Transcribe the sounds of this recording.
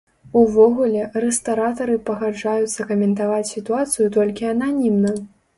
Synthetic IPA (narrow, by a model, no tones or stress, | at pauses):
uvɔɣulʲɛrɛst̪aɾat̪ɐɾɨpɐɣad͡ʐajut̪sːɐkɐmʲɛnt̪avat͡sʲsʲit̪uat̪sɨjut̪ɔlʲkʲiɐnanʲimnɐ